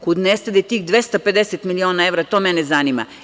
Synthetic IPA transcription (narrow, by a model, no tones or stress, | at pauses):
kud̪nest̪ad̪et̪iːxd̪ʋe̞st̪aped̪eset̪milio̞ːnae̞ʋɾat̪o̞ːmenezanima̰